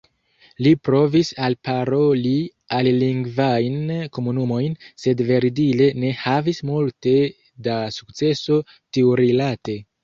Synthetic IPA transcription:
lipɾo̞visalpaɾo̞li | alːiŋɡvajnko̞munumo̞jnse̞dve̞ɾidile̞ne̞havismulte̞ | dasu̥kt͡se̞so̞ | tiuɾilate̞

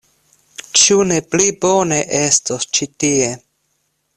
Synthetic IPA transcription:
t͡ʃune̞plibo̞ne̞ʔe̞stost͡ʃitie

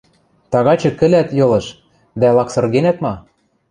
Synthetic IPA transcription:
t̪ɑɣɑt͡ɕɤ̆kɘ̆læt̪jɤ̆lɤ̆ʃ | d̪ælɑksɤ̆rɣenæt̪mɑ

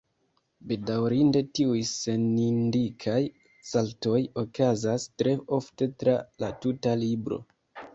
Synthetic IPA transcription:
be̞dawɾinde̞tiujse̞nindikʰaj | salto̞jo̞kazastɾe̞o̞fte̞tɾalatutalibɾo̞̰

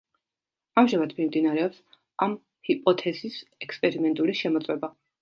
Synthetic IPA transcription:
amʒamad̪̥mimd̪inaɾɛɔps | am | hipʼɔt̪ʰɛzisɛkspʼɛɾimɛnt̪ʼuliʃɛmɔt̪sʼwɛba

